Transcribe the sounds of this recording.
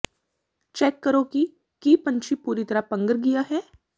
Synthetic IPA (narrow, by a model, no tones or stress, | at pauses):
t͡ʃɛːkːəɾõki | kiːpɐ̃ɲt͡ʃʰipuːɾit̪ɐɾapɐ̃ŋɡəɾɡijaɦɛː